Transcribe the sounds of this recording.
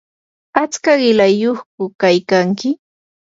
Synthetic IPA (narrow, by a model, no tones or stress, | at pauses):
at͡skaɢɪlajoχkʊkajkaŋkɪ